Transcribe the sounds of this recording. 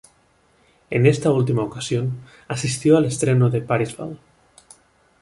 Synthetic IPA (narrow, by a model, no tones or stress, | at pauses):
ḛnest̪ault̪imaokasjon | asist̪joalest̪ɾenoðepaɾizβa̰l